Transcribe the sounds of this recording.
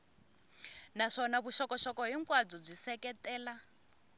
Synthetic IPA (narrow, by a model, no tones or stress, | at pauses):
naʂɔnaβuʃɔkɔʃɔkɔɦiŋkʼwad͡zɔb͡ʐisɛkɛtɛːla